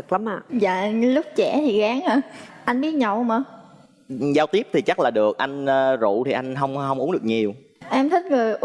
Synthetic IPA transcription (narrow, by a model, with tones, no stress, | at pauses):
k̚la˨˦maː˧˩za̰ː˧˨lʊ˦˥k͡p̚t͡ɕɛ˧˩t̪ʰi˨˩ɣaː˨˦ŋʔaː˧˩ʔa˧jŋ̟ɓi˦˥ət̚ɲə˧˨˩wməː˨˩ | zaː˧wt̪i˦˥əp̚t̪ʰi˨˩t͡ɕa˦˥k̚laː˨˩ɗɨ˨˩ə˩k̚ʔa˧jŋː˧zṵ˧˨t̪ʰi˨˩ʔa˧jŋ̟ɦə˧wŋ͡mɦə˧wŋ͡mʔu˨˦nɗɨ˨˩k̚ɲi˨˩əw | ʔɛ˧mt̪ʰï˦˥k̟̚ŋɨ˨˩əj